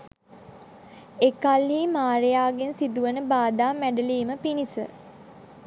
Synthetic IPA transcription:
ekalːiːmaːɾejaːɡensid̪uʋənəbaːd̪aːmːæɖəliːməpinisə

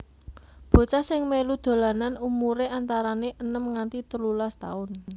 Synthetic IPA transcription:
b̥o̤t͡ʃasɪŋmelud̪̥o̤lananumuɾeʔant̪aɾaneʔənəmŋant̪it̪əlulast̪a̰ʊn

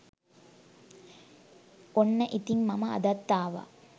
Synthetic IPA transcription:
onːəʔit̪iŋmɐmɐɐ̰d̪ɐt̪ːaːʋa̰

